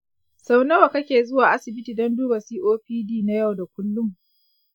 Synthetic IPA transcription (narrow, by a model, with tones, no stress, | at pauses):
sa˦wnɐ˦wa˨kɐ˦kʲeː˨zʊ˦waː˨ʔa˦sɪ˨bɪ˦tiː˨dɔ˦nduː˦ba˨siː˦ʔoː˦ɸiː˦diː˦na˦ja˦˨wda˨kʷʊ˦lːʊ˦m